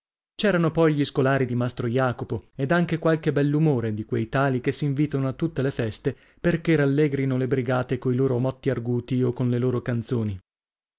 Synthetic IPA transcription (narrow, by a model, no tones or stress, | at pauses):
t͡ʃɛːɾanopɔjʎiskolaːɾid̪imast̪ɾojaːkopoed̪aŋk̟ekwalk̟ebɛlːumoːɾed̪ikwejt̪aːlik̟esːiɱviːt̪anoat̪ːut̪ːelefɛst̪e | perkeralːɛɡɾinolebɾiɡaːt̪ekoiloːɾomɔt̪ːiarɡuːt̪iokːonleloːɾokant̪soːni